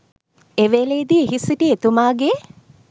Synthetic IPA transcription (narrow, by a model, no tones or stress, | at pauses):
eʋeleːd̪ieɦisiʈiet̪umaːɡe